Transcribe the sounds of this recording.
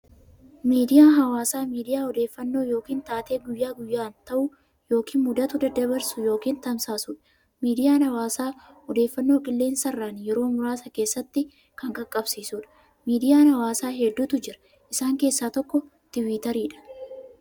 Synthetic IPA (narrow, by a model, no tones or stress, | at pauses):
miːd̪ɪjaːɦɐwaːsaːmiːd̪ɪjaːɔd̪e̞ːfːɐnːo̞ːjo̞ːkiːnt̪aːt̪e̞ːɡʊjːaːɡʊjːaːnt̪ɐʔʊ | jo̞ːkʰiːnmʊd̪ɐt̪ʊd̪ɐd̪ɐbɐɾsʊjo̞ːkiːnt̪ɐmsaːsʊːᶑɐ̥ | miːd̪ɪjaːnhɐwaːsaː | ɔd̪e̞ːfːɐnːo̞ːkʼɪlːeːnsɐrːaːnjɛɾo̞ːmʊɾaːsɐke̞ːsːɐt̪ːɪ | kɐŋkʼɐkʼːɐbsiːsʊᶑɐ̥ | miːd̪ɪjaːnhɐwaːsaːɦɛd̪ːuːt̪ʊd͡ʒɪɾɐ̥ | ʔɪsaːŋke̞ːsːaːt̪ɔkːɔ | t̪ɪwiːt̪ɐɾiːᶑɐ̥